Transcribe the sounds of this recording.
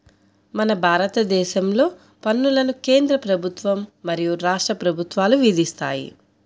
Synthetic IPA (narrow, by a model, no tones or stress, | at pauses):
mɐnɐbʱaːɾɐt̪ɐd̪ɛːʃɐmlo̞ː | pɐnːulɐnuke̞ːnd̪ɾɐpɾɐbʱut̪ʋɐmːɐɾijuɾaːʂʈɾɐpɾɐbʱut̪ʋaːluʋid̪ist̪a̰ːjḭ